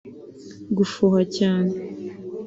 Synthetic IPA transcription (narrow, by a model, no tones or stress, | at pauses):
ɡufohacaːne